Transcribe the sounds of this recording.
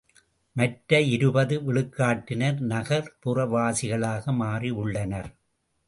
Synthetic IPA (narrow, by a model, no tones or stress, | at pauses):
mɐʈɾɐɪɾɯbɐðɯʋɪɭɯkːaːʈːɪnɐɾnɐɣɐɾpʊrɐʋaːsɪɣɐɭaːɣɐmaːriʊɭːɐnɐɾ